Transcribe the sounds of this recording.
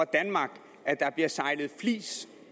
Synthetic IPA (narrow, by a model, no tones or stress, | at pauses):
ɑ̈d̥ænmɑ̈ːɡ̥ | æd̥ɑ̈b̥liɐsɑ̈ɪlð̞̩ˠflḭːs